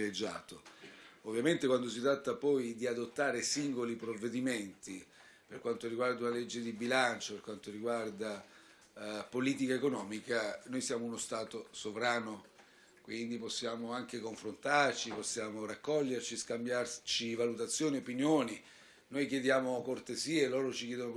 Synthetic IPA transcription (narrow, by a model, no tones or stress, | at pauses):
iled͡ʒːa̰ːt̪oovːjament̪ekwand̪os̬it̪ɾat̪ːapɔjd̪iad̪ot̪ːaːɾesiŋɡolipɾovːed̪iment̪i | perkwant̪oɾiɡward̪aunaled͡ʒːed̪ibilant͡ʃoperkwant̪oɾiɡward̪a | poliːt̪ikaekonɔːmikanojsjaːmounost̪aːt̪osovɾaːno | kwind̪iposːjaːmoaŋk̟ekoɱfɾont̪art͡ʃiposːjaːmorakːɔʎːert͡ʃiskambjart͡ʃivalut̪at̪sːjoːniopinjoːni | nojkjed̪jaːmokort̪eziːeloːɾot͡ʃik̬jɛːd̪ono